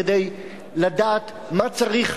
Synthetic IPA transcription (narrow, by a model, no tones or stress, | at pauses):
ede̞j | ladaːt̪ | mat͡saʁiχ